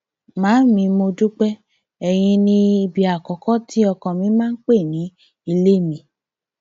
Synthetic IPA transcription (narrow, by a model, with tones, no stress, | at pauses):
mãː˨˦mĩ˨˧mo˧du˦k͡pɛ˦ | ɛ˧˨j̃ĩ˧nĩ˧i˧bi˧a˨kɔ˨kɔ˦ti˦ɔ˧kɔ̃˨mĩ˨˦mãː˦n̩˦k͡pe˦˨nĩ˨˦ | i˧le˦˨mĩ˨˧˨